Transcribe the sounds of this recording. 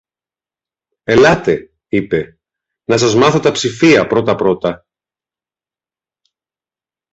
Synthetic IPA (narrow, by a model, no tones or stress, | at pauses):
e̞lɐt̪e̞ | ipe̞ | nɐsɐzmɐθo̞t̪ɐpsifiɐpɾo̞t̪ɐpɾo̞t̪ɐ